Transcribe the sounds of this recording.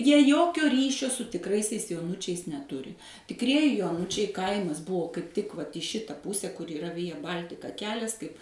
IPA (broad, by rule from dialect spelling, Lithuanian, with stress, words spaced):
jiɛ ˈjoːkʲoː ˈrʲiːʃʲoː sʊ tʲɪkˈrɐɪsʲɛɪs joːˈʊnʊt͡ʃʲɛɪs nʲɛˈtʊrʲɪ tʲɪkˈrʲiɛjɪ joːˈnʊt͡ʃʲɛɪ ˈkɐɪmɐs ˈbʊʋoː kɐɪp tʲɪk ˈʋɐt iː ˈʃʲɪtɐ ˈpʊsʲɛ kʊr iːˈrɐ ˈʋʲɪjɛ ˈbɐlʲtʲɪkɐ ˈkʲæːlʲɛs kɐɪp